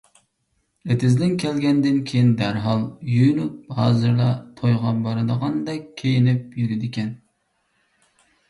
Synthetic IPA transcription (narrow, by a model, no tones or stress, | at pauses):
et̪ʰɪzd̪ɪnkʲʰɛlɡʲɛnd̪ɪnkʲʰejind̪æɾɦɑlˠjyjnup̚hɑːzɨɾlˠɑt̪ʰojʁɑbɑɾɨd̪əʁɑnd̪ɛkʲʰːejinɪp̚jyɾɪd̪ɪkʲɛn